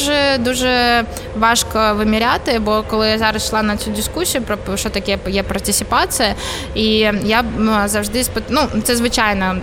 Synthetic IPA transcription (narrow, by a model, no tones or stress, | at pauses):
ʐɨd̪uʐɨ | vaʂkəvɨmʲɪɾʲat̪ɨbokəlˠɨjazaɾəsʂlˠanɐt̪sʲudʲɪskusʲːɪjʊpɾəʂot̪ɐkʲijəpjapɾɐtʲɪsʲɪpat̪sɨjə | ijazɐʐd̪ɨsʲpɨt̪nusʲɨzvɨt͡ɕajnə